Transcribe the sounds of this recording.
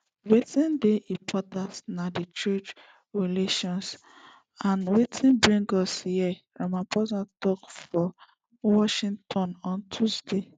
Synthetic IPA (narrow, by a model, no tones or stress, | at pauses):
wetĩndeʔipʰɔtasnadit͡ʃɔt͡ʃ | ɹileʃɔ̃ns | ãnwetʰĩnbɹĩŋɡɔsjiɛ | ɹamãpɔzatɔkfɔ | wɔʃĩŋtʰɔ̃nɔ̃ntʰusde